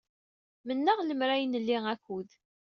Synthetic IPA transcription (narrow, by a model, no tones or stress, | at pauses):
mənːəʁləmɾæjnəlːiŋækːuð